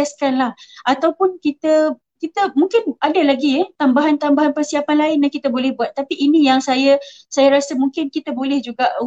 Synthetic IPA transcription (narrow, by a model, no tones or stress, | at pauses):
ɛskanlahʔat̪awpʊnkit̪ə | kit̪əmũŋkɪnʔadalaɡiət̪ambaɦant̪ambaɦanpərsiapanlaɪnjahkit̪əbolɛhbuat̪ːapiʔinijaŋsajə | sajəɾasəmũŋkɪnkit̪əbolɛhd͡ʒuɡaʔ